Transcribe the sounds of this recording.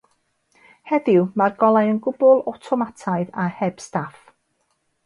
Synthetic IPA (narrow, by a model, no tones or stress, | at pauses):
hɛðɪwmarɡɔlˠajənɡʊbʊlˠɔtʰɔmatʰajðahɛb̥staf